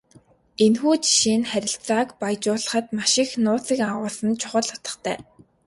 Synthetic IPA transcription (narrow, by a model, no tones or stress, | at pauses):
enxuːt͡ɕi̥ʃiːnχæɾʲɪ̆ɬt͡saːkpajt͡ɕʊːɮə̆χə̆t̪maʃɪ̆xnʊːt͡siːkaʁʊːsə̆nt͡ɕʰʊ̥χə̆ɮʊt̪ə̥̆χt̪ʰæ̰ː